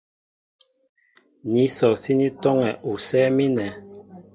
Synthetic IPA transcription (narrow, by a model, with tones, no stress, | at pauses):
ni˨˦sɔ˨si˦ni˦tɔ˦ŋɛ˨ʔu˨sɛ˦mi˦nɛ˨˦